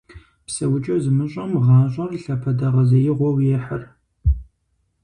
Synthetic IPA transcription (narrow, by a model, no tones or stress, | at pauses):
psɐwʊt͡ʃʼɐzɨmɨɕʷʼɐmʁɑːɕʷʼɐrɬɐpʰɐdɐʁɐzɐjɪʁʷɔwjɛħə̰r